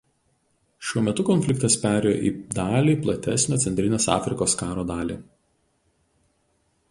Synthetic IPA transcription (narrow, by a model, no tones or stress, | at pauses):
ʃʲuɔmʲɛt̪ʊkɔnʲfʲlʲɪkt̪ɐspʲæːɾʲɛjo̰ːʔiːd̪ɑːlʲiːplˠɐt̪ʲæsʲnʲoːt̪sʲɛnʲt̪ʲɾʲɪnʲeːsɑ̰ːfʲɾʲɪkoːskɑːɾoːd̪ɑːlʲḭː